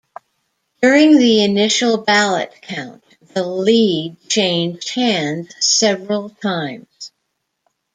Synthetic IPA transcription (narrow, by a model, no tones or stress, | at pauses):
d̥ʊɹɪ̃ŋðiɨnɪʃl̩ˠbælˠə̰tkʰãʊ̃n | ðəlid̚t͡ʃʰẽɪ̃nd͡ʒd̚hæ̃ndz̥sɛvɹl̩ˠtʰãɪ̃mz̥